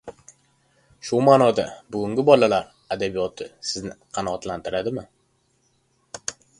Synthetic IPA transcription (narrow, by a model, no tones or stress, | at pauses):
ʃʊmaːnɒd̪a̰bʊɡʲʊŋʲɪbɒlalaɾ | ad̪abijɒt̪ʰɪsɪznɪqʰɑnɒːt̪lant̪ʰɪɾad̪ɪmɪ